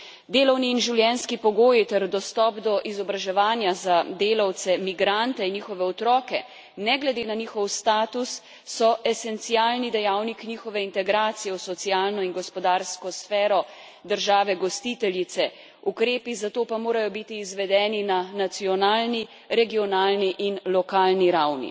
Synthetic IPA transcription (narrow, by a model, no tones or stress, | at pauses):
d̪eːlɔwniːnʒiwljɛnskipɔɡoːjit̪ɛɾd̪ɔst̪ɔːpd̪ɔʔizɔbɾaʒɛʋaːnjazad̪eːlawt̪sɛmiɡɾant̪ɛinɲiːxɔʋɛɔt̪ɾɔːkɛ | nɛɡlɛd̪eːnaniːxɔwst̪aːt̪usː | ɔʔɛsɛnt̪sijalnid̪ɛjawnikniːxɔʋɛint̪ɛɡɾaːt̪sijɛwsɔt̪siaːlnɔinɡɔspɔd̪aɾskɔsfɛːɾɔ | d̪əɾʒaːʋɛɡɔst̪it̪ɛlit̪sɛ | ukɾeːpizat̪oːpamoːɾajɔbit̪iːzʋɛd̪ɛːninanat̪siɔnaːlni | ɾɛɡiɔnaːlniʔinlɔkaːlniɾawnḭ